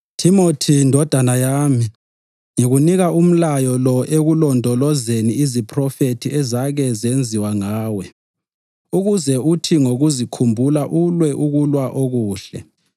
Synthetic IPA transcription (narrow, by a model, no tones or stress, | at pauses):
tʰimotʰindʱɔd̥ʱanajaːmi | ŋiɣuniɣaum̩lajɔlɔʔeɣulɔndʱɔlɔzeniizipʰrɔfetʰiɛzaɣɛzend͡zʱiwaŋaːwɛ | uɣuzɛutʰiŋoɣuzikʰumbʱulaʔulwɛʔuɣulwaʔoɣuːɬɛ̰